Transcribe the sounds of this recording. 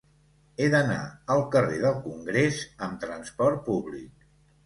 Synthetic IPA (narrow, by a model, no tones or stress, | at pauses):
eðəna̰əlˠkəreðəlˠkuŋɡɾezəmt̪ɾənspɔɾt̪̚puβlik̚